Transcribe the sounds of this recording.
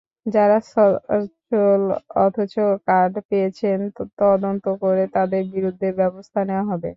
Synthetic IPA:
d͡ʑaɾasɔt͡ɕolɔ̰t̪ʰot͡ɕokaɖpejet͡ɕʰent̪t̪ɔd̪ont̪okoɾet̪ad̪eɾbiɾud̪ʱːebɛbost̪ʰaneoaɦɔbḛ

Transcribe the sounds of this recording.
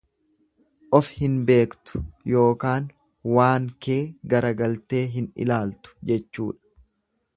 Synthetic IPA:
ʔɔfhɪnbe̞ːkt̪ʊ̥jo̞ːkaːn | waːŋke̞ːɡɐɾɐɡɐlt̪e̞ːɦɪnɪ̰laːlt̪ʊ̥d͡ʒɛt͡ʃːṵːᶑɐ̥

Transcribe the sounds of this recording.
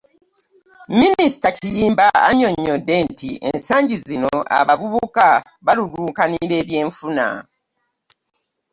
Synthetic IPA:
minisi̥tacijiːmba̰ːɲo̞ɲːodːe̞ntiʔensaːɲɟizinoʔa̰βavuβuka | βaluɾuːkaniɾe̞ːβje̞ːɱfuna̰

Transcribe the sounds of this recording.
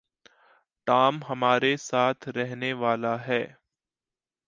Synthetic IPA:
ʈaːmɦɐmaːɾesaːt̪ʰɾɛɦneʋaːlaɦɛː

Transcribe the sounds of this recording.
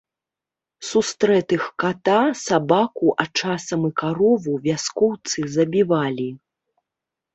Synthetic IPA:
sust̪ɾɛt̪ɨxkat̪asabakuʔɐt͡ʂasɐmɨkaɾɔvuvʲaskɔwt̪sɨzɐbʲivalʲi

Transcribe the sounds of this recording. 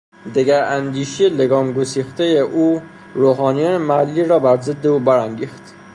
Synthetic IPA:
d̪eɡæɾænd̪iːʃejeleɡɒːmɡosiːxt̪ejeʔuː | ɾoːɦɒːnijɑːnemæhælːiːɾɒːbæɾzed̪ːe̞uːbæɾæŋɟiːxt̪

